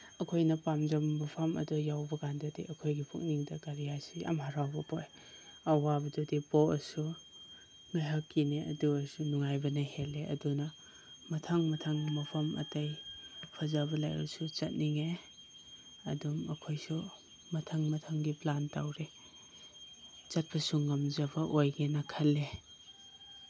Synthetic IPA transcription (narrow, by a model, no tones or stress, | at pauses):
ɐkʰojnɐpamd͡ʒɐmbɐpʰɐmɐ̰dɔjawbɐkandɐdḭʔɐkʰojɡipʰṵk̚niŋdɐɡaɾijasiɐ̰mɦaɾawbɐpoj | ɐwabɐdɔdipoɐsu | ŋaɦɐkːineɐ̰duɐsunuŋajbɐnɐheleʔɐ̰dunɐ | mɐtʰɐŋmɐtʰaŋmɐpʰɐmʔɐ̰tɐjpʰɐzabɐlajɐ̰sut͡ʃɐt̚niŋe | ɐ̰dumɐkʰojsu | mɐtʰɐŋmɐtʰaŋɡiplantawɾe | t͡ʃɐt̚bɐsuŋːɐmzɐbɐʔojɡenɐkʰɐlːe